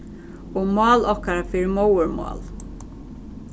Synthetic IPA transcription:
oːmɑːlɔkaɾafɪːɾmowəɹmɑ̰ːl

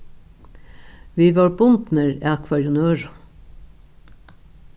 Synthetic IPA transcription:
ʋiːʋɑːɹbʊnd̪n̩əɹæːkʰʋɑɾjʊnøːɾ

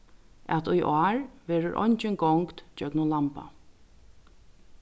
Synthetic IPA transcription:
ɛ̰t̪ujʔaːɹʋɛːɾʊɾʔɔ̰jɲt͡ʃɪnɡɔŋkt̪d͡ʒœknʊlampa̰

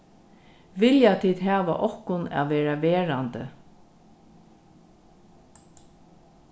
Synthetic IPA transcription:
ʋɪljat̪ʰiːd̪ɦæːʋa̰ʔɔhkʊna̰ːðʋeːɹaʋeːɹant̪ə̰

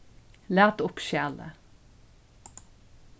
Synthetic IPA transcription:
læːʁt̪ʊpʃjæːlə̰

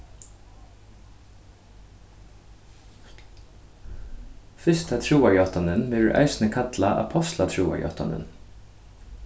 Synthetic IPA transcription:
fʏst̪ʰɑt̪ʰɾuːɑjoːt̪ɑnənmɪ̰ʔæ̰ɪsn̩əkʰɑt̪lɑʔɑ̰pʰɔst̪lɑt̪ʰɹuːɑ̰jo̰ːt̪ɑ̰nə̰n

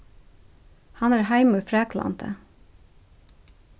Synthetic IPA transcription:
hɑnæːɾhæɪmʉfɾæːkʰlɑ̰nt̪ʰə̰

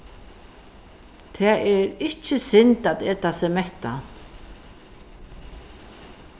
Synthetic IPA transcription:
t̪ʰɛːɛɾɪhcɪsɪnt̪at̪ɛːt̪asɛmɛht̪a̰

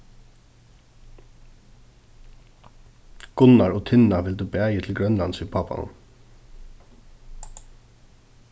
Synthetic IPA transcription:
ɡ̥ʊnaɹɔt̪ʰɪnaʋɪld̪ubæːjət̪ʰɪlɡɾœnlansipʰaːpa̰nʊ̰n

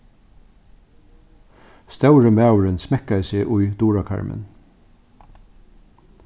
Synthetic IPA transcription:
st̪œwɾəmæːwɾɪnsmɛkajsɪːʔʊjd̪uːɹakʰa̰ɹmɪ̰n

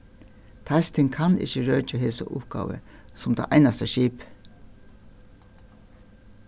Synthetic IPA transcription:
t̪ʰajst̪ʰɪŋkʰanɪ̰çəɹœːt͡ʃaɦeːsa̰ʔʊp̚ɡ̥a̰ːʋə̰sʊmt̪a̰ʔaɪnast̪aʃiːp

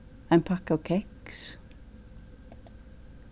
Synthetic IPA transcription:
æɪnpʰɑkɑːkʰɛks

